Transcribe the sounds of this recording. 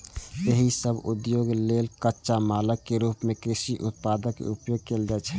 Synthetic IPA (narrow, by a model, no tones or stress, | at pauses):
jeɦisəbud̪joɡlelkətːʃamaləkːeɾupmekɾisiʔut̪̚pad̪əkːḛupjoɡ̚keld͡ʒɛt͡ʃʰɛ